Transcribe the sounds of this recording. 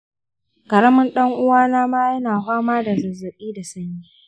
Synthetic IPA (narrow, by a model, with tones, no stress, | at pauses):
kɐ˨ɽɐ˦mɐ˦nɗɐ˦ŋʔʊ˦waː˦naː˦maː˦jɐ˦naː˨ɸaː˦maː˦da˨zɐ˨zɐ˨ɓiː˦da˨sɐ˦ɲjiː˦